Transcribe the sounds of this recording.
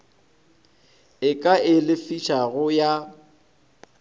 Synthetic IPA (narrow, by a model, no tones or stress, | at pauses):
ɪkʼaɪlɪfit͡ʃʰaɣʊja